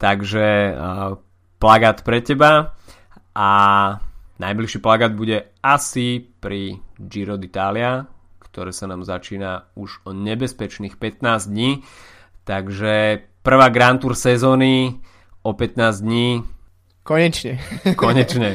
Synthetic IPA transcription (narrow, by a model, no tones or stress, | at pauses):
t̪aɡʒɛ | plaɡaːt̪pɾɛcɛba | ʔa | na̰jbliʃiːplaɡaːd̪̚buɟɛ | asipɾid͡ʒiɾɔd̪it̪aːlɪakt̪ɔɾɛːsanaːmzat͡ʃiːnauʒɔɲɛbɛspɛt͡ʃniːxpɛt̪naːzd̪ɲiː | t̪aɡʒɛpr̩ʋaːɡɾant̪uːɾsɛzɔːni | ɔpɛt̪naːzd̪ɲiː | kɔɲɛt͡ʃɲɛkɔɲɛt͡ʃɲɛ